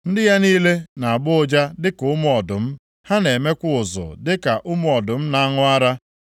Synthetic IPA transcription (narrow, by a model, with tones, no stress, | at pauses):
n̩˦dɪ˦ja˦niː˦le˦na˨a˨bʊ˦ʊ˦d͡ʒa˦dɪ˦kʊ˦mʊ˦ɔ˨dʊ˨m̩˦ | ha˦ne˨me˦kʷʊ˦˨ʊ˨zʊ̰˨dɪ˦ka˨ʔʊ˦mʊ˦ɔ˨dʊ˨m̩˦na˦a˦ŋʊ˦a˦ɾa˦